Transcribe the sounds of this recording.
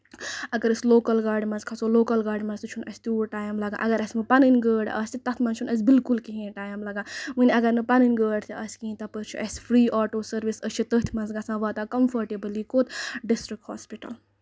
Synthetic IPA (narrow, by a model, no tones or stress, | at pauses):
ɐɡɐɾəsʲloːkɐlɡaːɾɖmɐ̃nzkʰɐsoːloːkɐlɡaːɖmɐnzt̪ɨt͡ʃʰunɐsʲt̪uːɾʈaːjmlɐɡã̰ːʔɐɡɐɾɐsʲmɨpɐnɨnʲɡəːɖɐ̰sʲt̪ʰit̪ɐt̪ʰmɐ̃nt͡ʃʰunɐs̬bilkulkiɦĩːʈaːjmlɐɡãːmɨnʲɐɡɐɾnɨpɐnɨnʲɡəːɖt̪ʰiʔɐsʲkĩːt̪ɐpəɾt͡ʃʰṵʔɐsfʰɾiːʔɔːʈoːsɐɾʋisət͡ʃʰit̪ət̪ʰmɐnzɡɐsãːʋaːt̪aːkɐmfɐɾʈebɨlikot̪ɖisʈɾik̚ʈhɔ̰ːspiʈɐ̰l